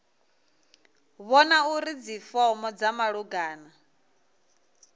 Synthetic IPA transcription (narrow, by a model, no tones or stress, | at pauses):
βɔnauɾid͡zifɔmɔd͡zamaɺuɡaːna